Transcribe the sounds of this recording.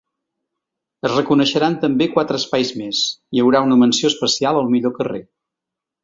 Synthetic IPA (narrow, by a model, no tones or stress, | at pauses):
əzrəkunəʃəɾant̪əmbekwat̪ɾəːspajzmesiəwɾaunəmənsioəspəsialˠəlˠmiʎokəre